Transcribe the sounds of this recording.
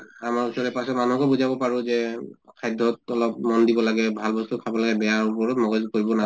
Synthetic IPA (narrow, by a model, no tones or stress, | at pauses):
amaɹisɔlɛpasɔtmanuɦɔkɔbuzabɔpaɹuzɛkʰajdʱɔtɔlɔp̚mɔndibɔlaɡɛbʱalbɔstukʰabɔlaɡɛbɛjaɹupɔɹɔtmɔɡɔzkoɹibɔna